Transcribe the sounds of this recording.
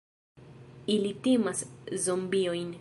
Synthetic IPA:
ilitimaszombiojn

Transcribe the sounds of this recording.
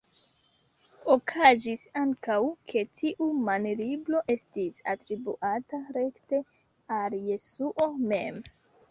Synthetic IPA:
okʰazisaŋkawkʰe̞tʰiʔumanliblo̞ʔe̞stisa̰tɾibuʔataɾe̞kte̞ | alje̞suʔo̞me̞̰m

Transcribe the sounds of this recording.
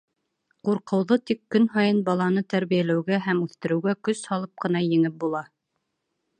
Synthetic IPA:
quɾqɤ̆wðɤt̪ikːɵnɦɑjɤnbɑlˠɑnɤt̪æɾβijælæwɡæɦæmʉθt̪ɘ̆ɾɘ̆wɡækɵshɑlˠɤp̚qɤ̆n̪ɑjɘ̆ŋɘp̚bulˠɑ

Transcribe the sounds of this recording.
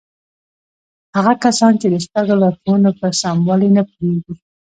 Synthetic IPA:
haɣakasɑnt͡ʃed̪əspaɡolaxunopəɾsɑmwɑlinapueɡi

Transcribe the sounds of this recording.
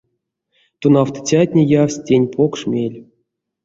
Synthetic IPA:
t̪unɑwt̪ə̥t͡sʲatʲnʲejafsʲtʲenʲpʰokʂmʲelʲ

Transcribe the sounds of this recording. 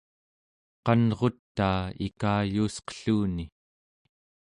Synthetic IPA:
qɑnʁo̞t̪ːaːḭkaːjuːsqə̥ɬuːni

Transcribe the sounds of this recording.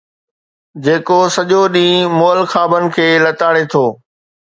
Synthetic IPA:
d͡ʑeːkosɐʄoɗĩːmoːəlxaːbənɪ̆kʰeːlɐt̪aːɽet̪ʰoː

